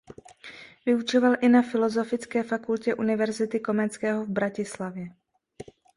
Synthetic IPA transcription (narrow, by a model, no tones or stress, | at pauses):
vɪut͡ʃovalʔɪnafɪlo̞zo̞fɪt͡skɛːfakulcɛʔunɪvɛɾzɪt̪ɪko̞mɛt͡skɛːɦovbɾacɪslavjɛ